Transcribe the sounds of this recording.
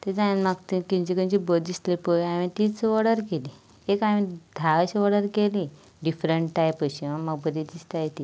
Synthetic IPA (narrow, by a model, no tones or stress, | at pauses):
t̪ed͡zãjãnməɡt̪ikĩɲd͡ʑikənt͡ɕibəd̪ist̪lepəaʋĩt̪it͡sʋəɽəɾkeli | ekaʋĩd̪ʱaʋɕiʋəɽəɾkeli | ɖifɾəɳʈːʈajpəɕiʋəməɡ̚bəd̪it̪ist̪ajt̪i